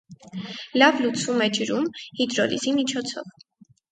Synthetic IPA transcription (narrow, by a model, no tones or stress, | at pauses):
lɑvlut͡sʰumɛd͡ʒəɾumhid̪ɾɔlḭzimit͡ʃʰɔt͡sʰɔ̰v